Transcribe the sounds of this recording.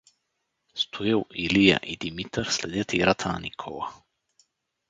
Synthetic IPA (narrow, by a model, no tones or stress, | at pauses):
st̪ʰujɛwilija̰ʔid̪imit̪ɾslɛd̪ɛt̪ʰiɾat̪ʰanikʰola